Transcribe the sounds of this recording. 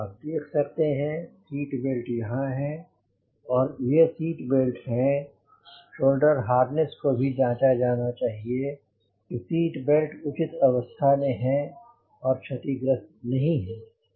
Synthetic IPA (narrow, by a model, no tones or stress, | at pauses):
aːp̚d̪eːkʰsɐkt̪eɦɛ̃siːʈbeːlʈjɐɦãɦɛ̃ | ɔːɾjesiːʈbelʈɦɛ̃ | ʃoːlɖəɾɦaːɾnəskobʱid͡ʒãːt͡ʃad͡ʒaːnat͡ʃaːɦie | kisiːʈbelʈʊt͡ʃɪt̪ɐʋəst̪ʰaneɦɛ̃ | ɔːɾt͡ʃʰɐt̪iɡɾəst̪nɐɦĩɦɛ̃ː